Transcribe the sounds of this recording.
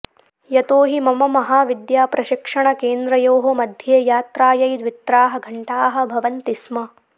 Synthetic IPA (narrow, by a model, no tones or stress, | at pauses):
jɐt̪oːɦimɐmɐmɐɦaːʋid̪jaːpɾɐʃikʂɐɳɐkeːnd̪ɾɐjoːɦomɐd̪ʱjeːjaːt̪ɾaːjɐjd̪ʋit̪ɾaːɦɐ̆ɡʱɐɳʈaːɦɐ̆bʱɐʋɐnt̪ismɐ